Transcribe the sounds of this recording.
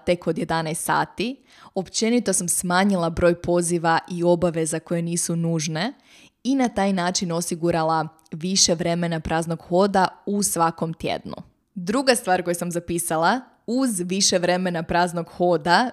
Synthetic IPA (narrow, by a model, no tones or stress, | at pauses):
t̪e̞ko̞d̪je̞d̪anajst̪sa̰ːt̪i | o̞pt͡ʃe̞nit̪o̞samsmaːɲilˠabɾo̞jpo̞ziʋaʔio̞baʋe̞zako̞je̞niːsunuːʒne̞ | inat̪aːjnaːt͡ʃino̞siɡuɾalˠa | ʋiʃe̞ʋɾe̞me̞napɾʔaːznoɡxo̞ːd̪ausʋako̞mt̪jḛd̪nṵ | d̪ɾuɡast̪ʋaːɾko̞jesamzapisalˠa | uzʋiʃe̞ʋɾe̞me̞napɾaːzno̞ɡho̞d̪a